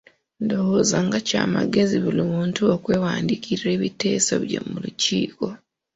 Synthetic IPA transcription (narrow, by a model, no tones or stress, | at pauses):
ndo̞hozaŋɡaca̰ːmaɡe̞ziβulimuːntuokwe̞ːwaːndikiɾre̞ːβite̞ːsa̰βjḛmuluciːko̞